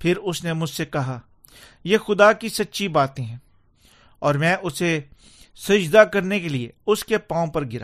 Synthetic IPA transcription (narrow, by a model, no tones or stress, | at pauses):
pʰɪɾʊsnemʊd͡ʒsekɐɦa | jeːxʊd̪akisɐtːʃibaːt̪ẽɦɛ̃ː | ɔːɾmɛ̃ːʔʊse | sɐd͡ʒd̪akɐɾnekelieʊskepãːõpɐɾɡɪɾaː